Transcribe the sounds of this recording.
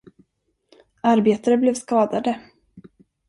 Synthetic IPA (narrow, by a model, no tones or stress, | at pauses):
aɾbeːt̪aɾəblɛːvskɑːd̪ad̪ə